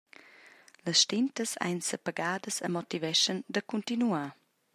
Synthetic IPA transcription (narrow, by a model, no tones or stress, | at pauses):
ləsʃtɪntəsa̰jnsəpəɡaːdəsəmɔtivɛʃəndəkuntinuaː